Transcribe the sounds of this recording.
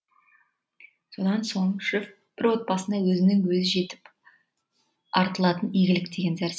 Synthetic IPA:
so̞d̪ɑnso̞ɴʃɪf | b̥ɪɾwo̞t̪̚bɑsənd̪ɑwɵzɪnɪŋwɵzɪʒe̞t̪ɪ̥p | ɑɾt̪əlˠɑt̪ənijɡʲɪlɪk̚d̪e̞ɡʲe̞nzæɾs

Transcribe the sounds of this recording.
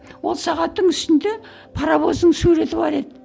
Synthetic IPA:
wo̞lˠsɑʁɑt̪ːəɴʏst̪ɪnd̪e̞ | pʰɑɾɑbo̞zd̪əɴsuɾe̞t̪ɪbɑɾe̞d̪ɪ

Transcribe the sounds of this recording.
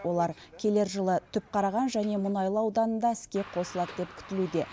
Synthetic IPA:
wo̞lˠɑɾkʲʰe̞le̞ɾʒəlˠət̪ʰʏp̚qʰɑɾɑʁɑnʒæne̞mʊnɑjlˠəɑwd̪ɑnənd̪ɑɪskʲe̞qʰo̞səlˠɑt̪̚d̪e̞p̚kʲʰʏ̥t̪ɪlud̪e̞

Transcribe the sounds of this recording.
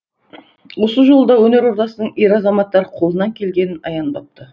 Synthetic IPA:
wo̞səʒo̞lˠəd̪ɑwɵne̞ɾo̞ɾt̪ɑsənəɴeɾɑzɑmɑt̪ːɑɾqʰo̞lˠənɑŋkʲʰe̞lɡʲe̞nɪnɑ̰jɑnd̪ɑp̚t̪ə

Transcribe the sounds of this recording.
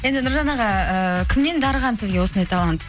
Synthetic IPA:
je̞nd̪ɪnʊɾʒɑnɑʁɑəkʲʰɪmne̞nd̪ɑɾəʁɑnsɪzɡʲe̞wo̞sənd̪ɑjt̪ʰɑlˠɑnt̪

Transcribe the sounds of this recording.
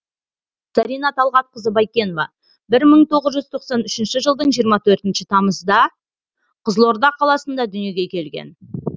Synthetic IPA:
sɑɾijnɑt̪ʰɑlˠʁɑt̪̚qəzəbɑjkʲe̞novɑ̰ | bɪɾməɴt̪ʰo̞ʁəzʒʏz̥t̪ʰo̞qsɑnʏʃɪnʃɪʒəlˠd̪əɴʒijəɾmɑt̪ʰɵɾt̪ɪnʃɪt̪ʰɑməzd̪ɑ | qʰəzəlˠo̞ɾd̪ɑqʰːɑlˠɑsənd̪ɑd̪ʏnije̞ɡʲe̞kʲʰe̞lɡʲe̞̰n

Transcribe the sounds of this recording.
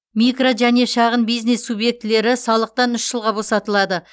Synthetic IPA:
mikroʒæne̞ʃɑʁənbijzne̞sːubje̞k̚t̪ɪle̞ɾɪsɑlˠəq̚t̪ɑnʏʃʒəlˠʁɑbo̞sɑt̪əlˠɑd̪ə

